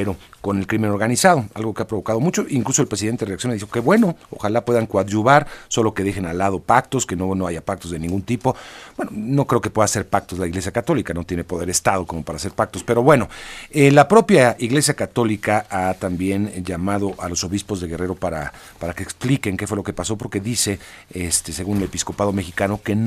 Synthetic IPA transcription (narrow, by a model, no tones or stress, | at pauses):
ɾo̞ko̞ne̞lkɾime̞no̞ɾɣanisað̞oa̰lɣo̞keapɾo̞βo̞kað̞o̞mut͡ʃo̞ʔiŋklusoe̞lpɾes̬iðent̪ereaksjo̞neðixoke̞βwe̞no̞o̰xalapweðaŋkwaðʒuβaɾso̞lo̞ke̞ðe̞xe̞nalaðo̞pakt̪o̞ske̞nono̞aʝapak̚t̪ozðe̞nĩŋɡunt̪ipo̞bwe̞nono̞kɾe̞o̞ke̞pwe̞ðase̞ɾpak̚t̪ozlaiɣle̞sjakat̪o̞likano̞t̪je̞ne̞po̞ðe̞ɾest̪aðo̞ko̞mo̞paɾase̞ɾpak̚t̪o̞spe̞ɾo̞βwe̞no̞elapɾo̞pjaiɣle̞sjakat̪o̞likaat̪ambje̞nʝamað̞o̞ʔalo̞so̞βispo̞zðe̞ɣe̞re̞ɾo̞paɾa | paɾake̞ːksplike̞ŋkefwe̞lo̞ke̞paso̞p̬o̞ɾke̞ðise̞est̪ese̞ɣunelepisko̞pað̞o̞me̞xikano̞ke̞n